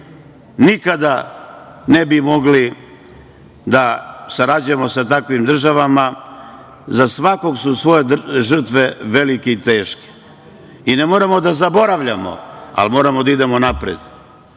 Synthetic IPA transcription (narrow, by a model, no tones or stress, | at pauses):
nikad̪a | nebimo̞ɡli | d̪asaɾad͡ʑujemo̞sat̪akʋimd̪r̩ʒaʋama | zasʋako̞ɡsusʋo̞jeʒr̩t̪ʋe̞ʋe̞likeit̪e̞ːʃke̥ | inemoɾamo̞d̪azabo̞ɾaʋʎamo̞̰a̰lmo̞ːɾamod̪aid̪e̞monapɾḛd̪